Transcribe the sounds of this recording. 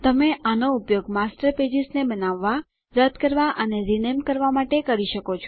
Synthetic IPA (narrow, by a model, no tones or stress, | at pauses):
t̪əmeʔanoupjoɡmasʈəɾped͡ʒɪsnebənaʋːa | ɾəd̪kəɾʋaʔəneɾinemkəɾʋamaʈekəɾiʃəkot͡ʃʰ